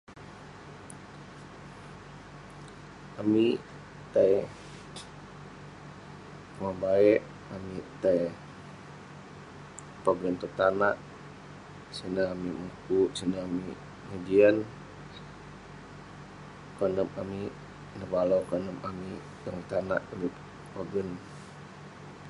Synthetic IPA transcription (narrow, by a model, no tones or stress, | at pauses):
ami | t̪aj | mambaɛʔ | amit̪aj | pabɾɛnt̪ut̪anaʔ | sinaamimukuʔsinaːmi | məd͡ʒian | kɔnəmami | nəbalowkɔnəmami | daŋt̪ana̰ʔami | paɡən